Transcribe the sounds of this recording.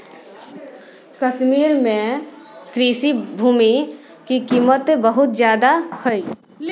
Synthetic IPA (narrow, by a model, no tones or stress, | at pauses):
kəʃmiːɾmẽ | kɾiːsibʱuːmi | kikiːmət̪bəɦʊt̪zjaːd̪ahəi